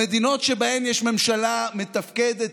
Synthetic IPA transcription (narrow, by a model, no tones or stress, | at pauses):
ed̪ino̞t̪ʃebahemjɛʃme̞mʃalamet̪afked̪et